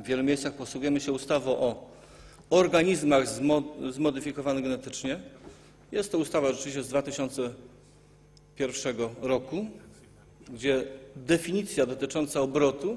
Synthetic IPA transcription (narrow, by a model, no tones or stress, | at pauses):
vʲːjɛlumʲejssaxpɔswuɡujɛmɘɕɛust̪avɔʔɔ | ɔɾɡaɲizmaɣzzmɔd̪ɘfʲikɔvanɛɡɛnɛt̪ɘt͡ʂɲɛ | jɛst̪ːɔust̪avaʐɛt͡ʂɘvʲiɕt͡ɕɛzd̪vat̪ɘɕɔnt̪sɛ | pʲjɛɾfʂɛɡɔɾɔku | ɡd͡ʑɛd̪ɛfʲiɲit̪sʲjad̪ɔt̪ɘt͡ʂɔnt̪saɔbɾɔt̪u